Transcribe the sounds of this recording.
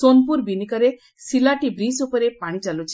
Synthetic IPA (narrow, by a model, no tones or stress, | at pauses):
sonpuɾbinikəɾe | silaʈibɾisupɔɾepaɽ̃it͡ʃalut͡ʃʰi